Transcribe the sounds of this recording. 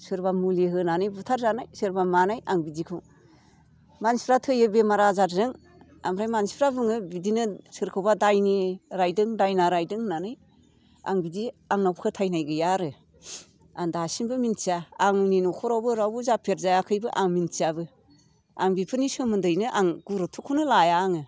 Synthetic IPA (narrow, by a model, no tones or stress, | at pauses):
sɯɾbamuliɦɯnanɯjbutʰaɾzanajsɯɾbamanajʔaŋbidikʰɯw | manspʰɾatʰɯjɯbemaɾazaɾzɯŋ | a̰mɾajmanspʰɾabɯŋɯbidinɯsɯɾkʰɯwbadajniɾajdɯŋdajnaɾajdɯŋnanɯj | a̰ŋbidiaŋnawpkʰɯtʰajnajɡɯjaɾɯ | andasinbɯmintiaːŋninokʰɔɾawbɯɾawbuzapʰeɾ̚zajakʰɯjbɯʔaŋmint͡ʃiabɯ | aŋbipʰɯnisɯmɯndɯjnɯʔaŋɡ̥uɾotʰukʰunɯlajaːŋɯ